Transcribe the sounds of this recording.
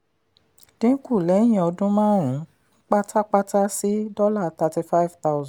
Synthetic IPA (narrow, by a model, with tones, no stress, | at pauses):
d̥ĩ˨˦ku˦˨lɛ˨˦j̃ĩ˨ɔ˧dũ˦mãː˦ɾ̃ũ˨˦ | k͡pa˦tʰa˦k͡pa˦ta˦si˦dɔ˦la˦˨t̪a˧ti˧fa˦i˨˦˨vt̪a˦ʊ˦z̃